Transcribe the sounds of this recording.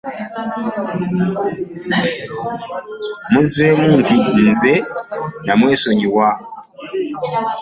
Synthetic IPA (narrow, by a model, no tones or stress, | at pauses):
muzemuːntinzenamwesoɲiwa